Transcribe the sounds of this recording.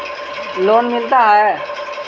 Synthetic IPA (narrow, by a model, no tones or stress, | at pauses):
loːnmɪlt̪aɦɛ